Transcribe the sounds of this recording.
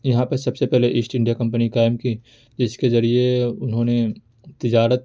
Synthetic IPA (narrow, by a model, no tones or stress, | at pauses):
jɐɦãpɐɾsɐbsepɛɦleʔɪsʈɪ̃ɳɖijakɐ̃mpənikaːɪmki | d͡ʒɪskezɐɾieʊnɦõːne | t̪ɪd͡ʒaːɾət̪̚